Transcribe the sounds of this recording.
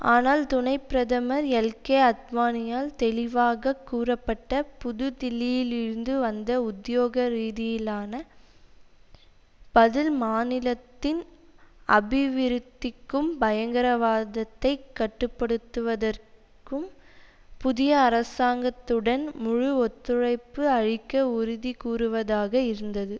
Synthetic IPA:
ʔaːnaːlt̪ʊnɐɪpːɪɾɐðɐmɐɾɛlkeːɐt̪̚maːnɪjaːlt̪ɛlɪʋaːɣɐkːuːrɐpːɐʈːɐpʊðɯd̪ɪlɪjɪlɪɾɯnd̪ɯʋɐnd̪ɐʊd̪joːɣɐɾiːðɪjɪlaːnɐ | b̥ɐðɪlmaːnɪlɐt̪ːɪn | ɐbɪʋɪɾɯt̪ːɪkːɯmbɐjɐŋɡɐɾɐʋaːðɐt̪ːɐɪkːɐʈːɯpːɐɽɯt̪ːɯʋɐðɐr | kɯm | pʊðɪjɐːɾɐsaːŋɡɐt̪ːɯɽɐnmʊɻʊɔt̪ːɯɻɐɪpːɯɐɻɪkːɐʊɾʊðikuːrɯʋɐðaːɣɐɪɾɯnd̪ɐðɯ

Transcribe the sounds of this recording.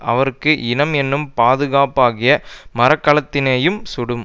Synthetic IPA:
ʔɐʋɐɾɯkːɯʔɪnɐmɛnːɯmpaːðɯɣaːpaːɣɪjɐmɐɾɐkːɐɭɐt̪ːɪneːjɯmsʊɽɯm

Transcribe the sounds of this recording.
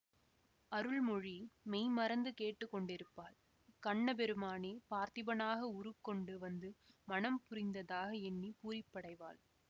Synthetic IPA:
ɐɾɯɭmɔɻimɛjmɐɾɐnd̪ɯkeːʈːɯkːɔɳɖɪɾɯpːaːl | kɐɳːɐp̬ɛɾɯmaːneːpaːɾt̪ɪbɐnaːɣɐʊɾɯkːɔɳɖɯʋɐnd̪ɯmɐnɐmpʊɾɪnd̪ɐðaːɣɐɛnːipuːɾɪpːɐɽɐɪʋa̰ːl

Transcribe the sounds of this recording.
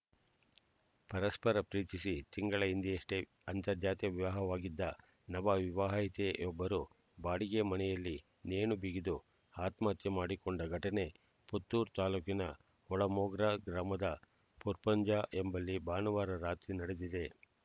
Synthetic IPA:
pɐɾɐspɐɾɐpɾiːt̪isit̪iŋɡɐɭɐind̪iɐʂʈe | ɐnt̪ɐɾd͡ʒaːt̪ijɐʋiʋaːɦɐʋaːɡid̪ːɐ | nɐbɐʋiʋaɦit̪eʔɔbːɐɾu | baːɽiɡe̞mɐnɛjɐlːi | neːnubiɡid̪u | aːt̪maːt̪jɐmaːɽikɔɳɖɐɡʱɐʈɐne̞ | put̪ːuːɾt̪aːluːkinɐ | ɔɭɐmoːɡɾɐɡɾaːmɐd̪ɐ | puɾpɐɲd͡ʒaːʔembɐlːibaːnɐʋaːɾɐɾaːt̪ɾinɐɽed̪id̪e̞

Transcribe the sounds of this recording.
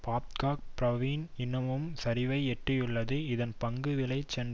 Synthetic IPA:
paːpkaːk̚pɾɐʋiːnɪnːɐmɯmsɐɾɪʋɐɪɛʈrɪjɯɭːɐðɯɪðɐnpɐŋɡɯʋɪlɐɪt͡ʃːɛn

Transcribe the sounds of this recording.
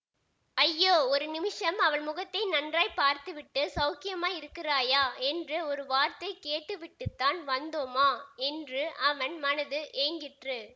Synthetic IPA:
ɐjːoːɔɾɯnɪmɪʂɐmɐʋɐɳmʊɣɐt̪ːɐɪnɐndraːjpaːɾt̪ɯʋɪʈːɯsɐʊkɪjɐmaːɪɾɯkːɪraːjaːɛndrɯɔɾɯʋaːɾt̪ɐɪkeːʈːɯʋɪʈːɯt̪ːaːnʋɐnd̪oːmaːɛndrɯʔɐʋɐnmɐnɐðɯʔeːŋɡɪʈrɯ

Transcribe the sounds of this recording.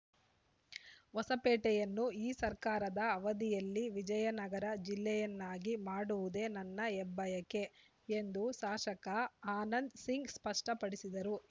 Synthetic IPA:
ʋɐsɐpɛːʈɛjɐnːuiːsɐɾkaːɾɐd̪ɐːʋɐd̪ijɐlːiʋid͡ʒɐjɐnɐɡɐɾɐd͡ʒilːɛjɐnːaːɡimaːɽuʋud̪e̞ːnɐnːɐɛbːɐjɐke̞ | end̪uʃaːʂɐkɐaːnɐnd̪siŋɡspɐʂʈɐpɐɽisid̪ɐɾu

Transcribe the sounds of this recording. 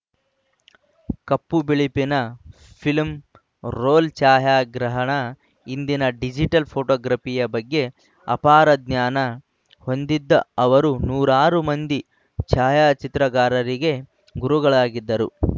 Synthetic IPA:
kɐpːubiɭipinɐ | pʰilm | ɾoːlt͡ʃaːjaːɡɾɐɦɐɳɐ | ind̪inɐɖid͡ʒiʈɐlpʰoːʈɔːɡɾɐpijɐbɐɡːe̞ | ɐ̰paːɾɐd̪ɲaːnɐ | ho̞nd̪id̪ːɐɐʋɐɾunuːɾaːɾumɐnd̪i | t͡ʃaːjaːt͡ʃit̪ɾɐɡaːɾɐɾiɡe̞ | ɡuɾuɡɐɭaːɡid̪ːɐɾṵ

